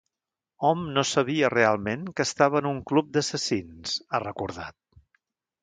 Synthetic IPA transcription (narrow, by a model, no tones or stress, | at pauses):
ɔmnosəβ̞iərealˠmeŋkəst̪aβəːnuŋklup̚d̪əsəsinz̥ərəkuɾða̰t̪̚